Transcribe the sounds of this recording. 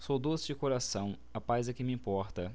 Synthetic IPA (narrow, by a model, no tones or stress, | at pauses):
sowd̪osɪd͡ʒɪkoɾasɐ̃w̃ | apajzɛkɪmɪĩpɔɾt̪ɐ